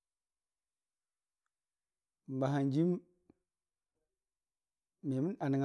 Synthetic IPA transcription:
m˨ba˨ɦa˨nd͡ʒi˦m | me˨mi˦na˨ni˨ŋ

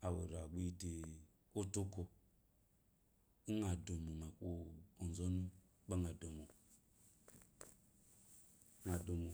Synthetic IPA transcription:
a˨wo̰˨ɾa˨ɡ͡bi˦te˨ | o˦tu˦ko˨ | u˦ŋa˨do˨mo˨ma˨ko˦o˨n˨zo˦nu˦ | ba˦ŋa˨do˨mo˨˦ | ŋa˨do˨mo˨

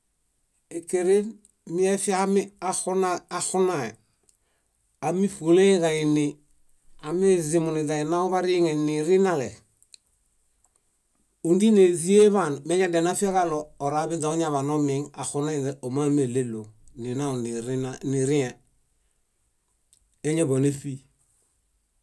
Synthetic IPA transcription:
e˨ke˨ɾe˦n | mi˦e˦fi˦ami˦a˦xu˦naa˨xu˦na˨e | a˨mi˦fu˨le˦ɡa˨i˨ni˨ | a˨me˦zi˨mu˨ni˨da˨i˨na˦u˦βa˦ɾi˦ŋe˨ni˨ɾi˦na˨le | u˨ndi˦ne˨zi˦e˦βa˦˨nme˦ɲa˦de˨na˦fi˦a˦ka˦loː˨ɾa˦bi˦nda˨u˦ɲa˦βa˨no˦mi˨ŋa˨xu˦na˦˨eo˨ma˦me˨le˦lo˨ni˨na˦u˨ni˨ɾnani˨ɾi˦e˨ | e˦ɲe˦bo˨ne˦fi˦

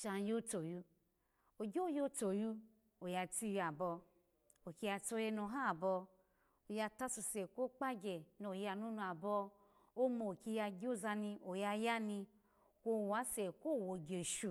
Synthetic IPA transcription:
ʃa˧n˦jo˦to˨ju˧˦ | o˨ɡʲo˦jo˦to˨ju˧˦ | o˨ja˧ti˧ja˨bɔ˧ | o˨ki˧ja˧to˧˦je˧no˧ɦa˦˨bɔ˧ | o˨ja˧ta˦su˧˨sɛ˨ko˦k͡pa˦ɡɛ˨no˨ja˧nu˦nu˧a˨bɔ˧ | o˦mo˨ki˧ja˧ɡʲo˦za˧ni˧o˨ja˧ja˦ni˧ | ko˧˨wa˨˦se˨ko˦˨wo˨ɡe˨ʃu˨

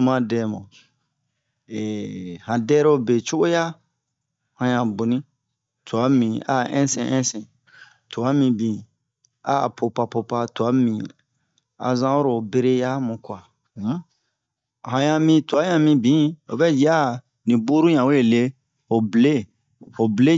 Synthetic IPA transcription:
u˦mã˦dɛ˨mã̰˨ | e˨hã˨dɛ˦ɾo˦be˨t͡ʃo˦ɡo˦ja˦ | hã˨jã˨bu˨nĩ˦ | to˨a˨˦mĩ˨a̰˦ʔɛ̰̃˦sɛ̰̃˨ʔɛ̃˦sɛ̃˨ | to˨a˦mĩ˧bĩ˨ | a̰˦˨pʰo˨pa˨po˧pa˦to˨a˨˦mĩ˨ | a̰˨zã˦o˦ɾo˨be˦ɾe˦ja˦mũ˨kwa˨˦ | hã˨jã˦mĩ˦to˨a˦jã˨mĩ˦bĩ˨˦o̰˨bɛ˦d͡ʒa˦ | nĩ˨bu˦ɾu˦ɲã˨we˦e˨le˦ | fo˨ble˦ | o˨ble˦

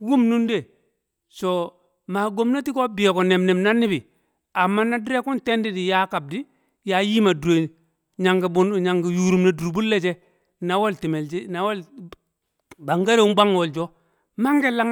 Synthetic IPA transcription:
wu˦mnu˦nde˨ | so˨ | ma˨ɡo˦mna˦ti˦ko˦bi˨e˨ko˨ne˨mne˨mna˦nːi˦bi˨ | a˨mːa˦na˦di˦ɾe˦ku˦nte˦ndi˦di˨ja˦ka˨b̚di˦ | ja˨˦ji˦ma˨du˨e˨ | ɲa˨ŋɡi˨bu˦n˨ɲa˨ŋɡi˨ju˨ɾu˨mne˨du˨ɾbu˦lːe˦t͡ʃe˦ | na˨˦wo˦lti˨me˨ld͡ʒi˦na˨˦wo˦l | ba˨ŋɡa˦ɾe˦wu˦ba˦ŋ˨wo˨ld͡ʒo˦ | ma˦ŋɡe˦la˦

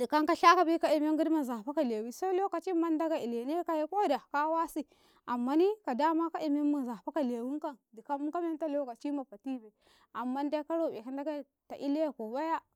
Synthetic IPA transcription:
di˨ka˦ŋka˦ɬa˦ka˨bi˦ka˦i˨me˦ŋɡu˦dma˨za˨pa˦ka˦˨le˨wi˦so˦lo˦ka˨t͡ʃi˦ma˦nda˦ɡa˨i˨le˨ne˦ka˦je˦ko˦da˨ka˦wa˦si˦ | a˨mːa˦ni˦ka˨da˦ma˦ka˦ʔi˨me˦ma˨za˨pa˦ka˨le˨wi˦ŋ˦ka˦ndi˨ka˦m˦ka˦me˦ta˦lo˦ka˨t͡ʃi˦ma˨pa˨ti˦be˨ | a˨mːa˦nda˦ka˦ɾo˦˨be˨ka˦nda˦ɡa˦˨ | ta˨ʔi˦le˦˨ko˨ba˦ja˦

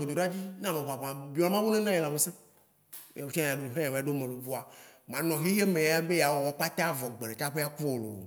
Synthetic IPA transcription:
e˨d̪o˨ɖa˦d͡ʑi˦nã˦˨mẽ˨βa˨bã˨bi˨˦ɔ˨la˦ã˦wo˦nẽ˦nã˦je˨la˨me˨˦sḛ̃˦˨ | a˨wo˦t͡ʃa˨ɖo˨ɦẽ˦jã˨wo˨a˨ɖo˦mẽ˨lo˨vo˦a˨mã˨nɔ̃˨ɦe˦je˦mẽ˨a˦be˦ja˨wɔ˨wɔ˨˦k͡pa˦t̪a˦vɔ˨ɡ͡be˨le˨t͡ʃa˦ɸe˦a˦ku˦o˨lo̰˨o̰˨

